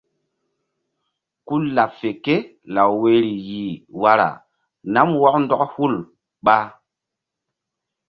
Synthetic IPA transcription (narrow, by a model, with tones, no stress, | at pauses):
ku˦la˨pfe˨ke˦la˨wwe˦ɾi˨ji˨wa˦ɾa̰˨ | na˦mwɔ˦kndɔ˦khu˦l | ɓa˦